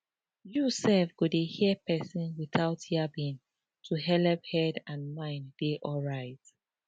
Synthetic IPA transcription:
jusɛlfɡ̥udehiəpɛsĩnwiθaʊthiabĩn | tʰuɦɛlɛphɛdãnmãɪ̃ndeʔɔɹaɪt

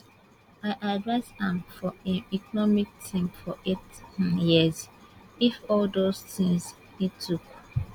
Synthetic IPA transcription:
aɪʔadɹasãmfɔãnikɔnɔmik̚tʰĩmfɔʔetjiz | ifɔldostĩŋs | itʰuk

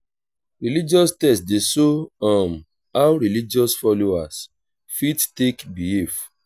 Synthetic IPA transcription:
ɹilid͡ʒiɔstɛstdesoãm | awɾilid͡ʒɔsfɔloas | fidtekbief

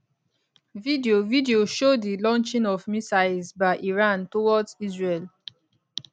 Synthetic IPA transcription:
vidiovidioʃodilɔ̃nt͡ʃĩnɔvmisaɪzbaɪʔiɹãntowɔdzizɹel

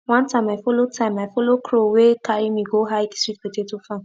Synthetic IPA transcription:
wãntãmaɪfolotʰãɪ̃mːaɪfolokʰɾowekaɾimĩɡoɦajdisit̚wetetufã

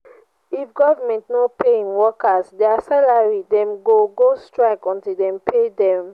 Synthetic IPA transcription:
ifɡɔvamɛ̃ntnopʰeĩnwɔkasdɛasalaɹidɛ̃mɡoɡostɹaɪkɔ̃ntildɛ̃mpʰedɛ̃m

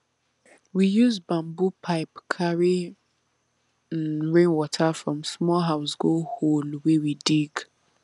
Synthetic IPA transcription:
wijuzbãmbupʰaɪpkʰaɹi | n̩ɹẽnwɔtʰafɹɔ̃msmɔlɦaʊsɡoholwewidiɡ

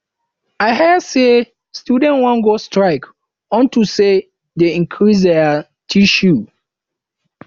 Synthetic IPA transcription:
aɪɦɛse | stjudɛ̃nwɔ̃nɡostɹaɪk | ɔ̃ntuse | deĩŋkʰɹis̬dɛ | tʰiʃu

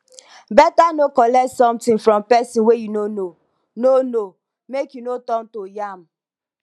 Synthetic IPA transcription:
bɛtanokɔlɛtsɔ̃mtɪ̃nfɾɔ̃mpɛsĩnwejunono | nono | mekjunotɔ̃ntojam̩

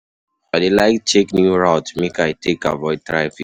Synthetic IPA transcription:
aɪdelaɪkt͡ʃeknjuɹaʊtmekaɪtʰeka̰vɔɪd̚tɹaj̃fi

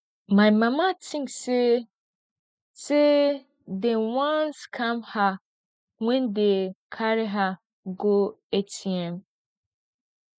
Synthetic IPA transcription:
mãɪmãmatʰĩŋkse | se | dɛ̃nwãnskʰãmha | ŋʷɛ̃ndekʰaɾɪɦa | ɡoetʰiɛ̃m

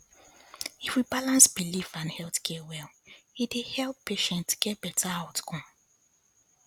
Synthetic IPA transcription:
ifwibalãnsbilifãndhɛlˠtkʰiɛwɛlidehɛlˠpːeʃɛ̃ntɡ̥ɛt̚bɛtʰaaʊtkʰɔ̃m

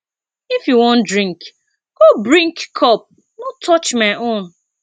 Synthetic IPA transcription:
ifjuwɔ̃ndɹĩŋk | ɡ̥obɾĩŋkkʰɔp̚ | notʰɔt͡ʃmaɪʔõn

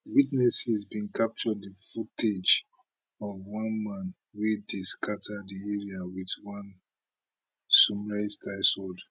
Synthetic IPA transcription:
witnɛsizbĩnkʰap̚t͡ʃɔdðəfuted͡ʒ | ɔvwʌ̃nmãn | wediskʰatʰadieɹiawiðwʌ̃n | sumɹaɪstaɪsold

